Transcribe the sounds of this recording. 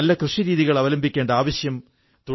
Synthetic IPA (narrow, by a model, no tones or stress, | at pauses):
ɐlːɐkrɨʂiɾiːðiɣɐɭɐʋɐlɐmbikʲːeːɳɖɐaːʋɐɕjɐm | t̪uɽ